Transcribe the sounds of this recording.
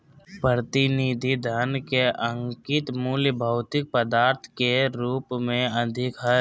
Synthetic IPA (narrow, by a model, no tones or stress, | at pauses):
pɾɾət̪ɪnid̪ʱid̪ʱənkeʔə̃ŋkɪt̪muːljəbʱəʊt̪ɪk̚pəd̪aːɾt̪ʰkeɾuːpmẽɐd̪ʱɪkɦə